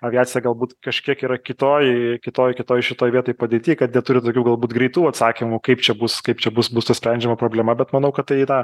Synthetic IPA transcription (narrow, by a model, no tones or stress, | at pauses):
ɐʋʲɪaːt͡sʲɪjɛɡɐlˠbuːt̪kɐʃʲkʲiɛkiːɾɐkʲɪt̪oːjkʲɪt̪oːjkʲɪt̪oːjɪʃʲɪt̪oːjʋʲiɛt̪oːjpɐd̪ʲeːt̪ʲiːkɐt̪nʲɛt̪ʊɾʲɪt̪oːkʲuːɡɐlˠbuːt̪ɡɾʲɛɪt̪uːɐt̪sɑːkʲɪmʊkɐɪpt͡ʃʲɛbʊskɐɪpt͡ʃʲɛbʊsbʊst̪ɐsʲpʲɾʲɛnʲd͡ʒʲɛmɐpɾoːbʲlʲɛmɐbʲɛt̪mɐnɐʊkɐt̪̚t̪ɐɪnɐ